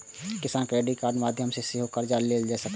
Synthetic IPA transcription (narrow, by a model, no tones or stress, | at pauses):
kɪsaːnkɾeːɖikaːɾnmaːd̪ʱjəmseseɦokəɾd͡ʒaːlːeːld͡ʒaːsɐk